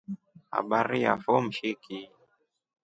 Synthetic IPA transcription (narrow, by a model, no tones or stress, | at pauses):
ha̰ɓaɾija̰fɔm̩ʃiki